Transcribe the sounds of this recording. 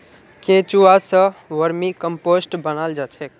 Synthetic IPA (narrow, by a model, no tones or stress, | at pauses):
ket͡ʃuasə̃ʋəɾmikəmposʈbənald͡ʒat͡ʃʰɛk